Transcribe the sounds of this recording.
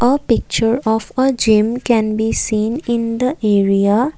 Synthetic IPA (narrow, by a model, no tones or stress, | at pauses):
ʔəpɪk̚t͡ʃəɾɔfəd͡ʒɪ̃mkɛ̃nbiːsĩːnɪ̃nd̪əʔeːɾia